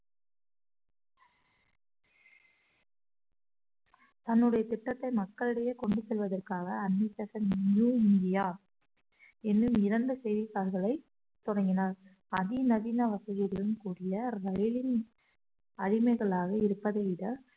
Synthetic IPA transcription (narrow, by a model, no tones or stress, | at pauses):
t̪ɐnːɯɽɐjɐt̪ɪʈːɐt̪ːɐɪmɐkːɐɭɯɽɐjekɔɳɖɯsɛlʋɐðɐrkaːɣɐːnːisɐsɐnnjuːɪnd̪ɪjaː | ɛnːɯmɪɾɐnd̪ɯsɛjðisaːɾɣɐɭɐɪ | t̪ɔɽɐŋɡɪnaːɾ | ɐðinɐðiːnaʋɐsɐjɪɾɐɭɯmkuːɽɪjɐɾɐjɪlɪn | ɐɻɪmɐɪɣɐɭaːɣɐɪɾɯpːɐðɐɪɽɐ